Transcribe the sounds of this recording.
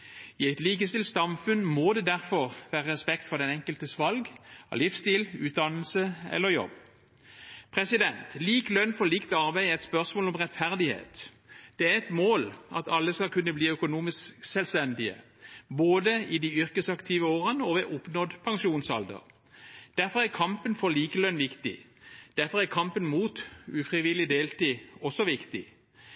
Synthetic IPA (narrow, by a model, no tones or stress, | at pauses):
ɪæɪt̪liːkəst̪ɪlt̪sɑmfʉnmoːd̪ɛd̪æʁfɔʁʋæːʁəʁɛspɛkt̪fɔʁd̪ɛnɛŋkəlt̪əsʋɑlɡɑ̰lɪfst̪iːlʉːt̪̚d̪ɑnl̩səɛ̰lːəʁjɔ̰b | pʰʁɛsɪd̪ɛnt̪liːklœnːfɔʁliːkt̪ɑʁbæɪɛɪt̪spœʁsmoːlɔmʁɛt̪fæʁd̪ɪhḛːt̪ | d̪̥ɛːæʁɛt̪moːlɑ̰t̪ɑlːəskɑlkʉnːəbliːœkʊnuːmɪssɛlst̪ɛnd̪ɪə̰ | boːd̪əɪd̪iːʏʁkəsɑkt̪ʰiːʋəoːʁənəɔʋɛʔʊpnɔd̪pʰɑŋʃuːnsɑld̪ə̰ʁ | d̪̥æʁfɔʁæʁkʰɑmpənfɔʁliːkəlœnːʋɪkt̪ɪ̰ | d̪̥æʁfɔʁækʰɑmpənmuːt̪ʉfʁɪʋɪlɪd̪eːlt̪iːɔsːɔʋɪkt̪ɪ